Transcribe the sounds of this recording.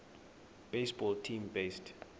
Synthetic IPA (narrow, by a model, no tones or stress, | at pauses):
b̥esbɔltʰĩmbest